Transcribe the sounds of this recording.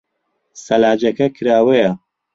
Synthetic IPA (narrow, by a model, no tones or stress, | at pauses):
sɐlaːd͡ʒɐkɐkʰɨɾaːwɐjɐ